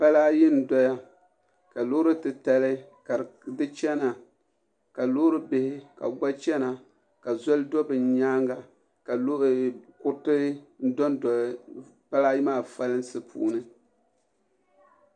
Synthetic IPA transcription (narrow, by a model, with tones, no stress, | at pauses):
pa˦laː˦jɪ˦n˨dɔ˦ja˦ | ka˨lo˦ɾɨ˦tɨ˨ta˦lɨ˦ | ka˨dɨ˦t͡ʃɛ˦na˨ | ka˨lo˦ɾɨ˦bɪ˦hɪ˦ka̰˨ɡ͡ba˦t͡ʃɛ˦na˨ | ka˨zɔ˦ldɔ˦bɨ˨ɲaː˦ŋɡa˨ | ka˨lkʊ˦tɨ˦n̩˦dɔ˦n˨ | pa˦laː˦ji˦maː˦˨fa˦lɨ˦n˦sɨ˦pʰṵː˦nɨ˦